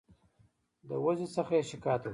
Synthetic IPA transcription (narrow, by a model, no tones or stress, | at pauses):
d̪əwazisəxaeʃɪkɑːt̪aw